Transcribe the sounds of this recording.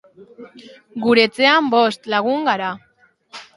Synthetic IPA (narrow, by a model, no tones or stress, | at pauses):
ɡuɾe̞t͡se̞ambo̞st̪laɣ̞uŋɡaɾa